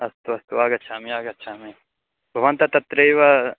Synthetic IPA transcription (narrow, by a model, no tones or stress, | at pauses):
ɐst̪uɐst̪uaːɡɐtːʃʰaɐmiaːɡɐtːʃʰami | bʱɐʋɐnt̪ɐt̪ɐt̪ɾejʋɐ